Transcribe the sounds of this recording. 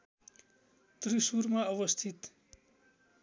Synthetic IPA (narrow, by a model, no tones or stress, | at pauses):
t̪ɾisuɾmãʌʋʌst̪ʰit̪